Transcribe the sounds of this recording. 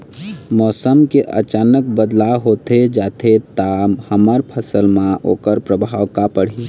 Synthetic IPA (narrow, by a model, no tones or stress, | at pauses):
mɔːsəmkeʔə̰t͡ʃaːnəkbəd̪laɦot̪ed͡ʒaːt̪ʰet̪amhəməɾpʰəsəlmãʔo̰kəɾpɾəbʱawkapəɽ̤i